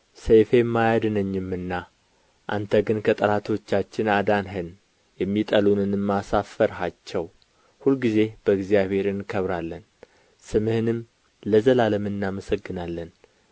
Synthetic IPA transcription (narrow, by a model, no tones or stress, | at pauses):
səjfemːajad̪ɨnəɲːɨmːɨnːa | ʔa̰nt̪ʰəɡɨnkʰət̪ʼəlat̪ʰo̞t͡ʃːat͡ʃːɪnad̪anɦɨn | jɛmːit̪ʼəlunɨnɨmːasafəɾɦat͡ʃːɛw | hulɡize̞b̥əɨɡzijaβhe̞ɾɨnkʰəβɾalːən | sɨmɨhɨnɨm | ləzəlaləmɨnːaməsəɡːɨnalːən